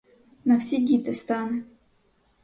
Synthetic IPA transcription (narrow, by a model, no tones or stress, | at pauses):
nafsʲeɡʲit̪ɛst̪anɨ